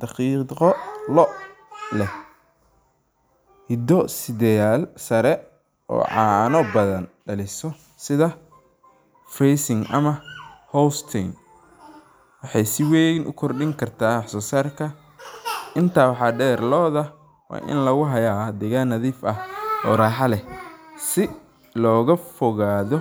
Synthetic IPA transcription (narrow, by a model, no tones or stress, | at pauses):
d̪̥ɑqiːqɔlɔ | lɛ | hɪd̪ɔsɪd̪ɛjaːlsɐɾɛ | ʔɔ̰ːʕɑ̰ːnɔbɐðɐnɖɐlɪsɔ | sɪðɐ | frɛjsɪŋʔɐ̰mɐhɔwst̪ʰɪŋ | wɑħɑjsɪwɛjnʔʊ̰kʰɔrɖɪŋkʰɐrt̪ʰaːħsɔːsaːrkʰɐ | ʔɪnt̪ʰaːwɑħɑːɖɛːrlɔːðɐ | wa̰ːʔɪ̰nlɐɣʊɦɐjaːd̪ɛɣaːnːɐðiːfɐhɔːɾaːħɑlɛsɪ | lɔːɣɐfɔɣaːðɔ